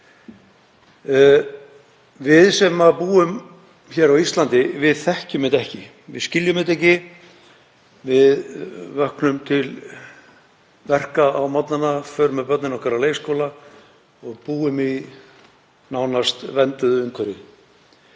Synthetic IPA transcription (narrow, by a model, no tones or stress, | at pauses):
vɪðsɛmːapuːʏm | çɛːɾawist̪lant̪ɪvɪðθɛhcʏmɪt̪ɛhcɪ | vɪ̰ðscɪljʏmɪt̪̬ɛhcɪ | vɪðvœhknʏmt̪ʰɪl | vɛr̥kaawmat̪nanːafœɾmɛpœt̪nɪnɔhkʰɛɾaleːjskowla | ɔɣpuːʏmi | naːwnast̪vɛnt̪ʏðʏŋkʰvɛɾɪ